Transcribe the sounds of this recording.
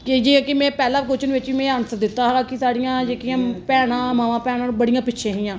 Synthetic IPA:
kɪd͡ʒiːkɪmɛ̃ːpɛːlaːkot͡ʃənʋɪt͡ʃiːmẽənsəɾd̪ɪt̪ːaːɦaːkɪsaːɽɪjãːd͡ʒeːkijãːpɛːɽãːmaːʋãːpɛːɽãːbəɽɪjãːpɪtːʃʰẽːɦijãː

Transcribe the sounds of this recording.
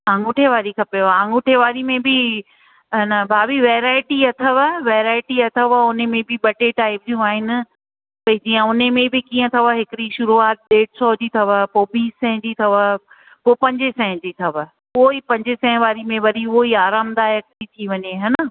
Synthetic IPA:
ãːŋɡʊʈʰeʋaːɾikʰɐpeaãːŋɡʊʈʰeʋaːɾimẽbɪ | ɐnɐbʱaːbiʋeːɾaːɪʈiɐt̪ʰəʋəʋeːɾaːɪʈiɐt̪ʰəʋaʊnemẽbɪɓɐʈeːʈaːɪbɾijũaːɦɪnɪ̆ | pɐɪd͡ʑiːə̃ʊnemẽbɪkĩːə̃t̪ʰɐʋəɦɪkɪɾiʃʊɾuaːt̪̚ɗeːɽsɔːd͡ʑiːt̪ʰɐʋəpoːbiːsːɛ̃ɦɪ̃d͡ʑiːt̪ʰɐʋə | poːpɐ̃ɲd͡ʑɪsɛ̃ːɦɪ̃d͡ʑiːt̪ʰɐʋə | ooipɐ̃ɲd͡ʑɪsɛ̃ːʋaːɾimẽʋɐɾiʊɦoiaːɾaːmd̪aːjɐk̚tit̪ʰiʋɐɲeɦɐnə

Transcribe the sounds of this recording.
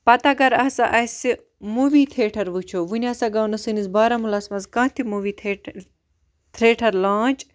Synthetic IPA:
pɐt̪aɡɐɾɐːsaʔɐsi | muʋiːt̪ʰeːʈʰɐɾʋut͡ʃʰoːʋunʲaːsaɡɐwnɐsɨnisbaːɾamulɐːsmɐskãːt̪ʰimuʋiːt̪ʰː | t̪ʰɾeːʈʰɐɾlãːt͡ʃ

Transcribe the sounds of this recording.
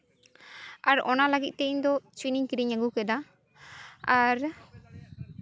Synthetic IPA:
aɾɔnaləɡit̪̚ˀt̪ɛɲd̪ɔt͡ʃwiniɲkiɾiɲaɡukɛd̪a | aɾ

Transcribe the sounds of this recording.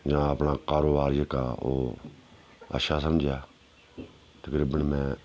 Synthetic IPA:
jãːəpnaːkaːɾoːbaːɾjeːkaːo̰ː | ə̰ʃaːsəmd͡ʒʱjaː | t̪əkɾiːbənmɛ̃ː

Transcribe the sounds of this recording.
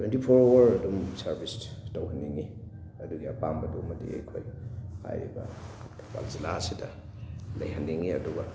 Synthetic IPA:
twentipʰoɾɐɾɐdumsɐɾbistɐwhɐnːiŋi | ɐduɡiapambɐdumɐdḭḛjkʰojha̰jɾḭbɐ̰ | tʰoba̰lzilasidɐ | lɐ̰jhanːiŋiɐduɡɐ

